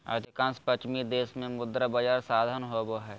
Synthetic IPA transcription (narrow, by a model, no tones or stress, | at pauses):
a̰d̪ʱikãːnspət͡ʃmid̪eːsmẽmʊd̪ɾabəd͡ʒaːɾsaːd̪ʱənɦoboɦɛː